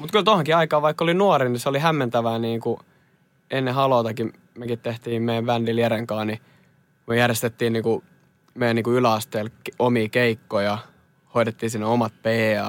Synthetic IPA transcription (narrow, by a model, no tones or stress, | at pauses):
mut̪kylt̪ohoŋkiɑikɑːʋɑikːolinuɑoɾiniseolihæmːent̪æʋæːniːŋku | enːeɦɑloːˑt̪ɑki | mekit̪t̪eht̪iːmmejæʋʋændiliæɾeŋkɑːnni | kmyøjærjest̪et̪ːiːnniːŋku | mejæniːkuylæɑst̪eːlkomiːkeikːojɑ | hoit̪et̪ːiːnsinːeomɑt̪̚peːɑ